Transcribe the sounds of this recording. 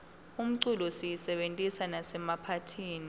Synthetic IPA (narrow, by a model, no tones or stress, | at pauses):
um̩ǀulɔsijisɛɓentʼisanasɛmapʰatʰiːni